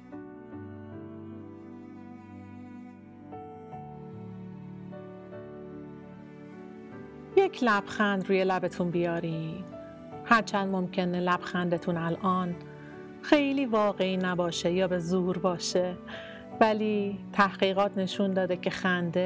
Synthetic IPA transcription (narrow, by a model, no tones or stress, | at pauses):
jecʰlæb̥xænd̪ɾuːjelæbe̞t̪ʰunbijɒːɾiːm | hæɾt͡ʃʰænd̪momcʰe̞nelæb̥xænd̪e̞t̪ʰunælʔɒːn | xe̞jliːvɒːɣeiːnæbɒːʃejɒːbezuːɾbɒːʃe | væliːt̪ʰæhɣ̥iːɣɒːt̪ʰne̞ʃund̪ɒːd̪ecʰe̞xænd̪e